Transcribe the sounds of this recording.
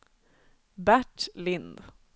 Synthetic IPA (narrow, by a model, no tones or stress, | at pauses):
bæʈlɪnd̪